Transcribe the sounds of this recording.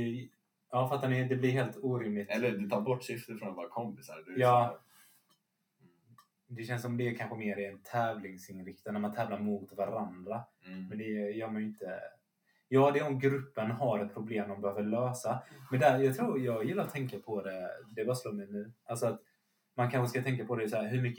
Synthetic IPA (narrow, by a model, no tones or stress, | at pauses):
ɑːfɾat̪̚ːanɛd̪ɛblɪɾɦeːlt̪uːɾɪmlɪɛlːəɾd̪ɛt̪ʰɑːɾbɔʈːsʏft̪əfɾɔnvoːɾakʰɔmpɪsa̰ɾd̪jɑː | d̪ɛɕɛnsɔmd̪ɛːkʰanɧəmeːɾɪɛnt̪ʰɛːvlɪŋsɪnɾɪkt̪anæɾmant̪ʰɛːvlaɾmʊt̪vaɾand̪ɾamɛnd̪ɛjœːɾmanɪnt̪ə | jɑːd̪ɛɔmɡɾɵpːənɦaɾɛt̪̚pʰɾʊbleːmd̪ɔmbɛhøːvəløːsamɛnd̪æɾjɑːɡ̚t̪ʰɾuːɾjɑːɡjɪlːaɾɔt̪ʰːɛŋkapʰɔd̪ɛd̪ɛbɑːsloːɾmɛjnʉ̟ːʔalsɔat̪ | mankʰanɧəskat̪ʰɛŋk̬apʰɔd̪ɛsɔæːɾɦɵɾmʏkːə